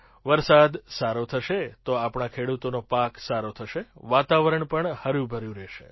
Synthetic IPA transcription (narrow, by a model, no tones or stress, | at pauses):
ʋəɾsad̪saɾot̪ʰəʃet̪oapɳakʰeɽut̪onopaksaɾot̪ʰəʃeʋat̪aʋəɾəɳpəɳhəɾũbʱəɾjũɾɛʃḛ